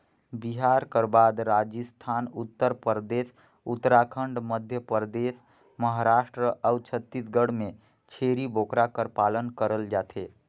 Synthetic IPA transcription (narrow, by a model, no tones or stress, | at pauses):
biɦaɾkəɾbad̪ɾad͡ʒəst̪ʰaːnut̪ːəɾpəɾd̪es | ut̪ːɾakʰəɳɖməd̪ʱjəpɾd̪es | məɦaɾaːʃʈɾəʔəʊt͡ʃʰət̪ːisɡəɽme | t͡ʃʰeɾibʱokɾakəɾpalənkəɾəld͡ʒaːt̪ʰe